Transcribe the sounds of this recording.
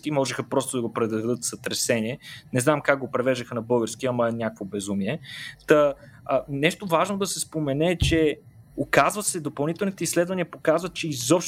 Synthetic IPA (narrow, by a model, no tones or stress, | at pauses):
kimɔʒɛxɐpɾɔst̪od̪ɐɡopɾɛd̪ɐd̪ɤt̪sɐt̪ɾɛsɛnʲiɛnɛznamkakɡopɾɛvɛʒd̪əxənɐbɤlˠɡəɾsk̟iɐmɐnʲakəkvobɛzumiɛt̪ɐ | nɛʃt̪ovaʒnod̪ɐsɛspomɛnɛt͡ʃɛ | okazvəsɛd̪opɐlˠnit̪ɛlˠnit̪ɛislɛd̪vɐniɐpokazvɐt̪t͡ʃɛizɔpʃ